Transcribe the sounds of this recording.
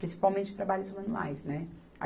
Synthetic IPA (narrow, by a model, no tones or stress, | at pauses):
ɾʲĩsi̥pawmẽt͡ʃɪ̥t̪ɾabaʎʊzmɐ̃nua̰jsnɛ | a̰